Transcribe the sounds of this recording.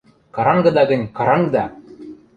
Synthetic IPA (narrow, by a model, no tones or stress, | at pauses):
kɑɾɑŋɡɤ̆d̪ɑɡɘ̆nʲkɑɾɑŋɡɤd̪ɑ